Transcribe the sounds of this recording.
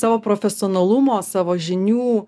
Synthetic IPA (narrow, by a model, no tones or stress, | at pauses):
sɑːʋoːpɾofʲɛsʲɪɔːnɐlˠʊmoːsɑːʋoːʒʲɪnʲuː